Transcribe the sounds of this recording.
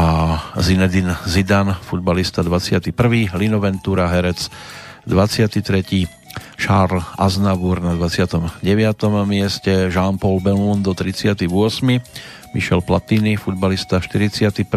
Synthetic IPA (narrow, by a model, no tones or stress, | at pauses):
azinɛd̪inzid̪anfud̪̚balist̪ad̪ʋat͡sɪat̪ipr̩ʋiːlinɔʋɛnt̪uːɾaɦɛɾɛt͡sd̪ʋat͡sɪat̪it̪ɾɛciː | ʃaːɾlaznabuɾnad̪ʋat͡sɪat̪ɔmɟɛʋɪat̪ɔmmɪɛscɛʒaːnpɔlbɛlmund̪ɔt̪ɾit͡sɪat̪ivʊɔsmi | miʃɛlplat̪iːnifud̪balist̪aʃt̪iɾit͡sɪat̪ip